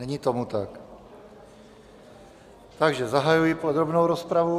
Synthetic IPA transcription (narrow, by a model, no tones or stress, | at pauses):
ɛɲit̪o̞mut̪ak | t̪aɡʒɛzaɦajujɪpod̪ɾobnowɾospɾavu